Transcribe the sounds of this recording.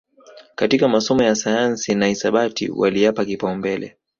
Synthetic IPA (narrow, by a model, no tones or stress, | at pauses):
katikamasɔmɔjasajansinaisaɓatḭwa̰lijapakipaumbɛlɛ̰